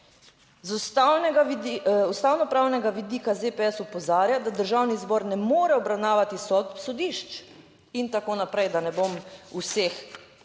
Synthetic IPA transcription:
zust̪awnɛɡaust̪aːwnɔpɾaːwnɛɡaʋid̪iːkazepɛɛsupɔzaːɾjad̪ad̪əɾʒawnizbɔɾnɛmoːɾɛɔbɾawnaːʋat̪isɔsɔd̪iʃt͡ʃ | int̪akoːnapɾɛjd̪anɛbomusex

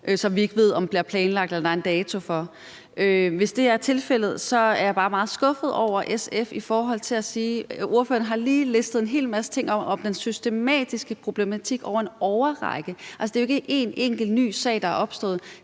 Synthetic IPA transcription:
ʔøsɒ̽mʋie̝ɡ̥əʋe̝ð̞̰ˠɒ̽mb̥liɐpʰlɛːnlɑ̈ɡ̥̚d̥elɐd̥ɑɐe̝nd̥ɛːt͡sʰo̝fɒ̽ | ʔøʋe̝sd̥e̝æɐt͡sʰe̝lfel̰ð̞̩ˠsɒ̽æɐjɑ̈b̥ɑ̈ːmɑ̈ːð̩ˠsɡ̥ɔ̽fð̞̩ˠɒʊ̰ɐʔesefifɒːɦɒ̽l̰t͡sʰe̝læsiːʔuɐfø̰ːɐn̩əɦɑ̈liːlesd̥ð̩ˠe̝nɦe̝̰ːlmæsə̥t͡sʰe̝ŋ̰ɒ̽mɒ̽md̥ensysd̥e̝mɛ̰ːd̥isɡ̥əpʰʁo̝b̥le̝mæt͡sʰiɡ̥ɒʊ̰ɐenɒʊɐʁɑ̰̈ɪɡ̥əælsəd̥e̝ːje̝ɡ̥əʔe̝neŋ̰ɡ̥l̩ny̰ːsɛ̰ɪ̰d̥ɑæɐʔɒ̽b̥sd̥ɔ̰ːð̩ˠ

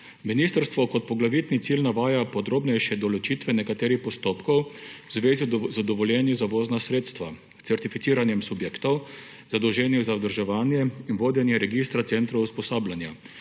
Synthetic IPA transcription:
miniːst̪əɾst̪ʋɔkɔt̪̚pɔɡlaʋit̪nit̪siːlnaʋaːjapɔd̪ɾoːbnɛjʃɛd̪ɔlɔt͡ʃiːt̪ʋɛnɛkat̪eːɾixpɔst̪oːpkɔwwzʋeːzizad̪ɔʋɔljɛːnjuzaʋoːznasɾeːt̪st̪ʋa | t̪ɛɾt̪ifit̪siːɾanjɛmsubjeːkt̪ɔw | z̥ad̪ɔwʒɛːnjɛzawd̪əɾʒɛʋaːnjɛinʋoːd̪jɛnjɛɾɛɡist̪ɾat̪sɛnt̪ɾɐwspɔsaːbljanja

